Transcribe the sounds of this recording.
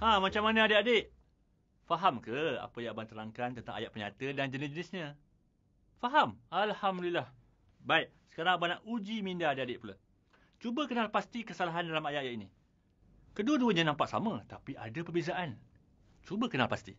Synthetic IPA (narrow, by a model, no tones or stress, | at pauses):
ãmat͡ʃamːanəadəʔadeʔ | faɦamkəa̰pəjãabant̪əɾaŋkant̪ənt̪a̰ŋa̰jaʔpəɲa̰t̪ədand͡ʒənisd͡ʒənɪsɲə̃ | faɦamalhamdilah | baiʔ | sə̥kaɾaŋabanaʔud͡ʒimindaadeʔadeʔpula̰ | t͡ʃubəkənalpast̪ikəsalaɦandalamajaʔajaʔini | kəduəduəɲãnãmpaʔsa̰mə̃t̪apiʔa̰dapərbezaʔan | t͡ʃubəkənalpast̪ḭ